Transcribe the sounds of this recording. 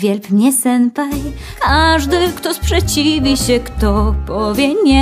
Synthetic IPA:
vʲjɛlpmɲɛsɛnpajkaʐd̪ɘkt̪ɔspʂɛt͡ɕivʲiɕɛkt̪ɔpɔvʲjɛɲɛ

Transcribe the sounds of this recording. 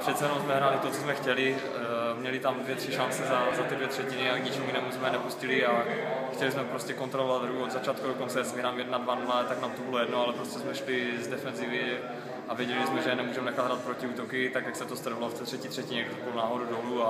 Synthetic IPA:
pr̥ɛt̪t͡ssɛjɛnomwzmɛɦɾaːlɪt̪ott͡sozmɛxcɛlɪ | mɲɛlɪt̪amdvjɛt̪r̥iʃant͡sɛzazat̪ɪdvjɛt̪r̝̥ɛcɪnɪakɲɪt͡ʃɛmuinɛːmuzmɛnɛpuscɪlɪaxcɛlɪzmɛpɾo̞scɛko̞nt̪ɾolovad̪ɦɾuuod̪zat͡ʃaːt̪̚kudokont͡sɛsvinaːmjɛdnadvanulat̪aknaːmt̪obɪlojɛdnoalɛpɾoscɛzmɛʃlɪzdɛfɛnzɪvɪ | avjɛɟɛlɪzmɛʒɛnɛmuːʒɛmɛnɛxat̪d̪ɦɾaːt̪̚pɾocɪuːt̪okɪt̪akjaksɛt̪ost̪ɾovaloft̪ɛːt̪r̝̥ɛciːt̪r̥ɛcɪɲɛkakolnaːɦodudolua

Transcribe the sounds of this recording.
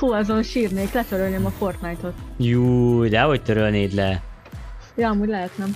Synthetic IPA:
huɛzonʃiːrneːklɛt̪øɾølneːmɒfo̞rt̪najt̪o̞t̪juːd̪ɛɦoct̪øɾølneːd̪lɛ | jɒɒmuːɟlɛɦɛt̪nɛm

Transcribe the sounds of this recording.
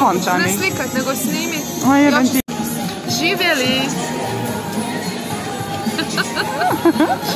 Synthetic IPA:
ɔnt̪anilikat̪nɛɡɔsniːmi | ajɛɛnt̪i | ʒiːvjɛli

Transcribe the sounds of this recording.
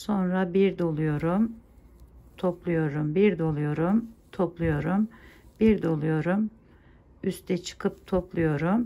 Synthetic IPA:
so̞nɾabiɾd̪olˠujo̞ɾum | t̪ʰo̞plˠujo̞ɾumbiɾd̪o̞lˠujo̞ɾumt̪ʰoplˠujo̞ɾumb̥iɾd̪o̞lˠujo̞ɾum | yst̪ʰɛt͡ʃʰɯ̥kʰɯpt̪ʰo̞plˠujo̞ɾum

